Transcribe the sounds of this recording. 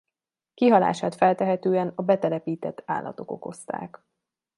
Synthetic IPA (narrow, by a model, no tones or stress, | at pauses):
kiɦɒla̰ːʃaːt̪fɛlt̪ɛɦɛt̪øːɛnɒbɛt̪ɛlɛpiːt̪ɛt̪ʰːa̰ːlːɒ̰t̪o̞ko̞ko̞st̪a̰ːk